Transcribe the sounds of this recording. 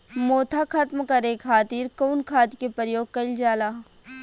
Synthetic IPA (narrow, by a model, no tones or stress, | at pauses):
moːt̪ʰakʰɐt̪mkɐɾekʰaːt̪iːɾkoːnkʰaːt̪ikepəɾjoːɡ̚kɐɪld͡ʒaːlaː